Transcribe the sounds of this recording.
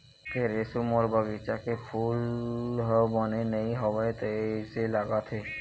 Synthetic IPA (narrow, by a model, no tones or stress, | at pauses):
kʰeɾesumoɾbaɡit͡ʃakefʰulɦɔbɔnenejɦɔbet̪eeselaɡat̪ʰe